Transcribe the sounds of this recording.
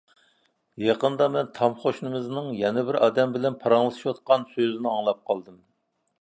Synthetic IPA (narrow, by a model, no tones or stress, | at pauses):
jɑqənd̪ɑmɛnt̪ʰɑmχoʃnɨmɨznɨŋjɛnɪbɪɾʔɑːd̪ɛmbɪlɛnpʰɑɾɑŋlˠɨt̪ʰɨʃwɑt̪qɑnsøzɪnɪɑŋlˠɑp̚qʰɑlˠd̪ɨm